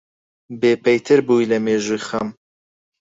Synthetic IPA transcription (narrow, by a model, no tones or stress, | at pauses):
beːpɐjt̪ʰɨɾbuːjlɐmeːʒuːjxɐm